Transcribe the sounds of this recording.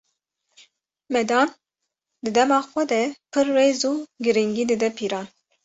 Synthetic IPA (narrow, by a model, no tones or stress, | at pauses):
mɛd̪ɑːn | d̪ɨd̪ɛmɑːxʷɛd̪ɛpʰɨɾːeːzuːɡɨɾiŋɡiːd̪ɨd̪ɛpʰiːɾɑːn